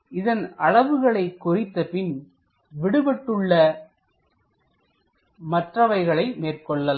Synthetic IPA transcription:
ɪðɐnɐɻɐʋɯɣɐɭɐɪkːʊrɪt̪ːɐpɪn | ʋɪɽɯbɛʈːɯɭːɐ | mɐʈrɐʋɐɪɣɐɭɐɪmeːrkɔɭːɐl

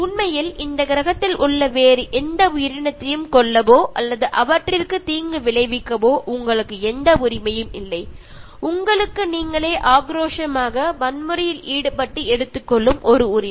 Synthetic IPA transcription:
ʊnmɐjɪlɪnd̪ɐkɪɾɐɣɐt̪ːɪlʔʊɭːɐʋeːɾɯʔɛnd̪ɐʊjɪɾɪɳɐt̪ːɐjɯmkɔɭːɐʋoːʔɐlːɐðɯʔɐʋɐʈrɪrkɯt̪iːŋɡɯʋɪɭɐɪʋɪkːɐʋoːʔʊŋɡɐɭɯkːɯɛnd̪ɐʊɾɪmɐjɯmɪlːɐɪ | ʊŋɡɐɭɯkːɯniːŋɡɐɭeːʔaːɡɾoːʂɐmaːɣɐmɐnmɯɾɐjɪliːɽɯpɐʈːɯɛɽɯt̪ːɯkːɔɭːɯmʔɔɾɯʊɾɪ

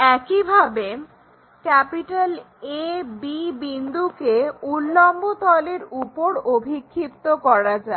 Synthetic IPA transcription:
ɛkibʱabe | kɛpiʈal | ebibind̪ukeulːɔmbot̪ɔleɾupoɾobʱikʰːit̪ːokɔɾad͡ʑae

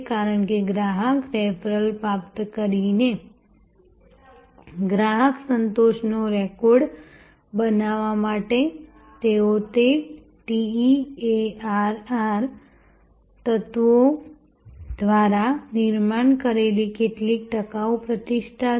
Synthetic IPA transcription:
kaɾəɳkeɡɾaɦəkɾɛpɾəlpɾapt̪kəɾine | ɡɾaɦəksənt̪oʃnoɾɛkɔɾɖ | bənaʋamaʈe | t̪eot̪e | ʈiieaɾaɾ | t̪ət̪ʋo | d̪ʋaɾanɪɾmaɳkəɾelikeʈlik̚ʈəkaopɾət̪iʃʈʰa

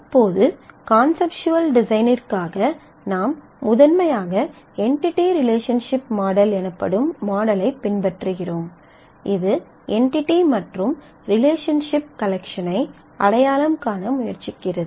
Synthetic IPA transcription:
ɐpːoːðɯkaːnsɛpʂʊɐlɖɪsɐɪnɪrkaːɣɐ | naːmː | ʊðɐnmɐjaːɣɐ | ɛɳʈɪʈːiɾɪleːʂɐnʂɪpmaːɽɐlɛnɯpːɐ̰ɽɯmːaːɽɐlɐɪpːɪnbɐʈrɯɣɪroːm | ɪðɯ | ʔɛɳʈɪʈːimɐʈrɯm | ɾɪleːʂɐnʂɪp̚kɐlɛkʂɐnɐɪ | ʔɐɽɐjaːlɐmkaːnɐmʊjɐɾt͡ʃɪkːɪrɐðɯ

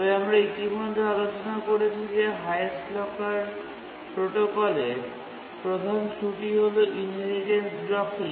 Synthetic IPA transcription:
ɔbeamɾaitimod̪ʱːealot͡ɕonakoɾet͡ɕʰid͡ʑeɦajslɔkaɾ | pɾoʈokɔle | pɾod̪ʱansuʈiɦoloʔinɦelid͡ʑensɖɾɔkʰi

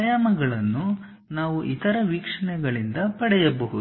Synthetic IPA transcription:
ɐjaːmɐɡɐɭɐnːu | naːʋuʔit̪ɐɾɐʋiːkʂɐɳɛɡɐɭind̪ɐpɐɽɛjɐbɐɦud̪

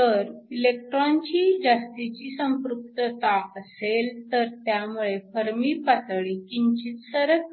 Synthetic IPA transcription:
t̪əɾilek̚ʈɾant͡ɕiːd͡ʑast̪it͡ɕiːsə̃mpɾup̚t̪ət̪aəselt̪əɾt̪jamuɭefəɾmiːpat̪əɭikiɲt͡ɕiːt̪səɾək

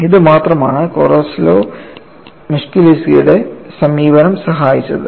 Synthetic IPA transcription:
iðɨmaːt̪rɐmaːɳɨkorɐsloː | muʂkilisijṵɽesɐmiːʋɐnɐmsɐɦaːjit͡ɕːɐðɨ

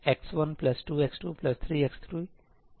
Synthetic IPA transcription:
eksʋʌ̃nplʌsʈuːeksʈuːplʌst̪ʰɾiːekst̪ʰɾi

